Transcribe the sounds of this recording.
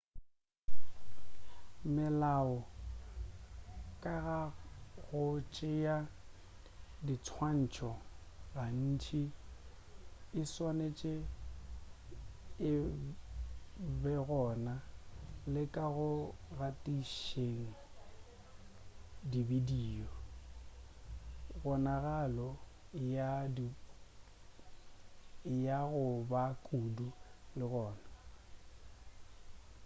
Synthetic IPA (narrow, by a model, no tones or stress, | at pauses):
mɪlaʊ | kʼaɣaɣʊt͡ʃʼɪja | dit͡sʰwan̩t͡ʃʰɔɣan̩ːt͡ʃʰi | ɪswanet͡ʃʼɪ | ɪ | bɛɣɔːnalɪkʼaɣʊɣatʼiʃeŋ̩ | dibidiːɔ | ɣɔnaɣalɔ | jad | jaɣʊbakʼudulɪɣɔːna